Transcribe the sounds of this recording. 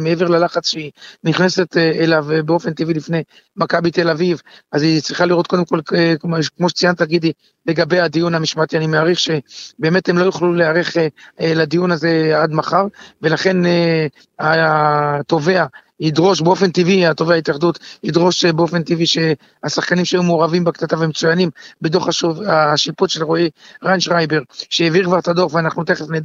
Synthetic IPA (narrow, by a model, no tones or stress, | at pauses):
meeveʁlalaχat͡sʃeiniχnese̞t̪elavbeo̞fe̞nt̪ivilifne̞j | makabit̪e̞lavivazit͡sʁiχaliʁot̪̚ko̞d̪emkolkmo̞ʃe̥t͡sijant̪aɡid̪i | le̞ɡabe̞jad̪ijunhamiʃmat̪ianimeaʁiχʃe̞be̞ːme̞t̪e̞mlo̞juχluleaʁeχelad̪ijunaze̞ad̪maχaʁve̞laχe̞ne | a | t̪o̞ve̞a | idʁo̞ʃ̬beo̞fe̞nt̪iviat̪o̞veaːit̪jaχd̪ut̪id̪ʁo̞ʃbeofe̞nt̪iviʃe̞ | asaχkanimʃeajumeoʁavimbaktat̪avemet͡sujanimbet̪o̞χaʃaʃiput̪ʃelʁoiʁanʃʁajbeʁʃejeviʁkvaʁt̪adoʁveanaχnut̪eχefned